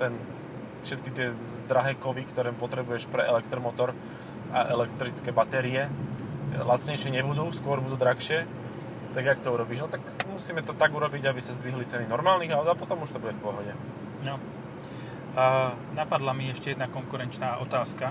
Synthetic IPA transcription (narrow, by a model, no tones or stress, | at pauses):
t̪ɛn | fʃɛt̪kit̪ɪɛ | zd̪ɾaɦɛːkɔʋikt̪ɔɾɛːmpɔt̪ɾɛbujɛʃpɾɛʔɛlɛk̚t̪ɾɔmɔt̪ɔɾ | a̰ʔɛlɛkt̪ɾit͡skɛːbat̪ɛɾiɛ | lat̪t͡sɲɛjʃɪɛɲɛbud̪uːskʊɔɾbud̪uːd̪ɾaxʃɪɛ | t̪aɡakt̪ɔuɾɔbiːʒnɔt̪akmusiːmɛt̪ɔt̪aɡuɾɔbiɟabisazd̪ʋiɦlit͡sɛninɔɾmaːlniɣaʊd̪apɔt̪ɔmuʃt̪ɔbuɟɛfpɔɦɔɟɛ | nɔ | napad̪lamiɛʃcɛjɛd̪nakɔŋkuɾɛnt͡ʃnaːʔɔt̪aːska